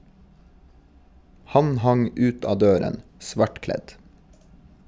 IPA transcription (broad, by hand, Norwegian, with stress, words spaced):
ˈhɑn ˈhɑŋ ˈʉːt ˈɑː ˈdøːɾən ˈsʋɑʈˌklɛt